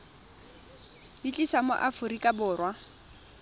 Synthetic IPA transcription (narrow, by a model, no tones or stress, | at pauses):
it͡ɬʼisamʊ̰ʔafʊɾikʼabʊːrwa